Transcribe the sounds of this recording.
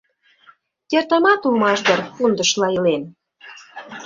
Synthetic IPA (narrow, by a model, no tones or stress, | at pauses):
t̪ʲert̪ɑmɑt̪ulmɑʃd̪ə̆rpund̪ə̆ʃlɑilen